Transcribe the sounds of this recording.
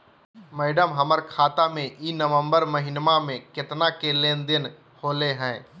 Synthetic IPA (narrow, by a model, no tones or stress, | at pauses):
mɛːɖəmɦəməɾkʰaːt̪amẽʔiːnəʋə̃mbəɾməɦɪnmamẽkɪt̪nakelẽːnd̪ɪn | hoːleɦɛ̃ː